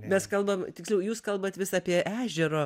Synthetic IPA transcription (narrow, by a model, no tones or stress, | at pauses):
mʲɛskɐlˠbɐmt̪ʲɪksʲlʲɛʊjuːskɐlˠbɐt̪ʋʲɪsɑːpʲiɛʔæːʒʲɛɾoː